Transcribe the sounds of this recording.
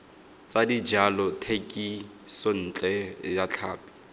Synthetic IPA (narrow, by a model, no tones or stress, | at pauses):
t͡sadid͡ʒalɔtʰekʼi | son̩ːt͡ɬʼɛjat͡ɬʰaːpi̥